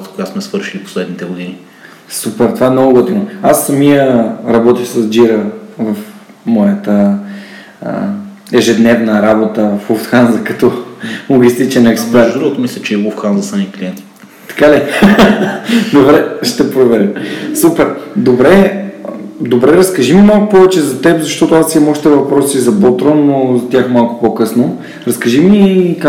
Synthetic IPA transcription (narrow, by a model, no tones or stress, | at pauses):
t̪ə̥koɡasmɛsvɤɾʃilipo̥slɛd̪nit̪ɛɡod̪ini | supɛɾt̪ovaɛnoɡoɡot̪inoasːɐmijəɾɐbɔt̪ixsəzd͡ʒiɾəvɐfmɔjət̪ə | ə̰ | ɛʒɛd̪nɛvnəɾabot̪əfuft̪xanzəkɐt̪ɔlˠoɡʲist̪it͡ʃɛnɛkspɛd̪ɾuot̪omislʲɛt͡ʃɛiɡufxanzɐsamikliɛnt̪i̥ | t̪ɐ̥kali | d̪obɾɛʃt̪ɛpɾovɛɾimsupɛɾd̪obɾɛ | d̪obɾɛɾɐskɐʒimimalˠkʊpɔvɛt͡ʃɛzɐt̪ɛpzɐʃt̪ɔt̪ʊasiɐmɔʃt̪t̪ɛvɐpɾɔsizɐbot̪ɾɔnːozɐt̪ʲjaxmalˠkʊ̥pokɤsno | ɾɐskɐʒimik